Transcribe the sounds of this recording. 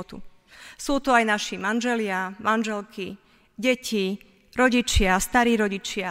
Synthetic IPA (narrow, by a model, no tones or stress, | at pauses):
t̪ṵ | suːt̪ɔajnaʃimanʒɛlɪamanʒɛlkʰi | ɟɛcʰi | ɾɔɟit͡ʃɪast̪aɾiːɾɔɟit͡ʃɪa